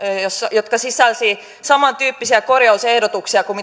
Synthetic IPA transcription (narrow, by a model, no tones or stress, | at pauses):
josjo̞t̪̚kɑsisˑɑlsi | sɑmɑnt̪yːpːisiɑko̞rjɑuse̞hdo̞t̪uksiɑkumi